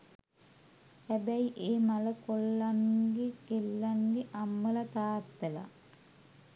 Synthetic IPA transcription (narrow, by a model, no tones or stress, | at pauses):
hæbæiʔeːmaləkolːaŋɡekelːaŋɡeʔamːəlat̪aːt̪ːəla̰